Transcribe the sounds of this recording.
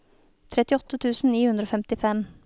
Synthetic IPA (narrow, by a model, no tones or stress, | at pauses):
t̪ʰɾɛt̪ɪɔt̪ːət̪ʰʉːsn̩niːhʉnd̪ɾoːfɛmt̪ɪfɛm